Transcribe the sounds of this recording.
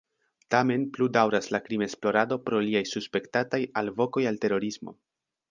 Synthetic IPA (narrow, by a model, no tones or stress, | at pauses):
tame̞npludawɾaslakɾime̞splo̞ɾado̞pɾo̞liajsuspe̞ktatajalvo̞ko̞jalte̞ɾo̞ɾismo̞̰